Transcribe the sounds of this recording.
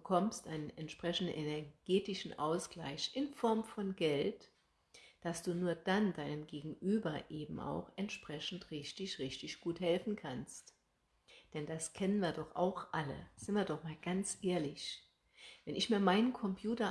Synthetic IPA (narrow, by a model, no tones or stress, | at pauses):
əkʰɔmstʔaɪnənɛntʃpʁ̥ɛçn̩dn̩ʔɛnɛɐɡ̥eːtɪʃn̩ʔaʊsɡ̥la̰ɪçʔɪnfɔɐmfɔnɡɛlt | d̥asd̥uːnuːɐd̥andaɪnənɡeːɡŋ̩ʔyːbɐʔeːbm̩a̰ʊxɛntʃpʁ̥ɛçn̩tʁɪçtɪçʁɪçtɪçɡ̥uːthɛlfn̩kʰanst | d̥ɛnd̥askʰɛnənviːɐdɔχʔa̰ʊxʔalə̰z̥ɪntviːɐdɔχmaːlɡant͡sʔeːɐlɪç | vɛnɪçmiːɐmaɪnənkʰɔmpʰjuːtɐ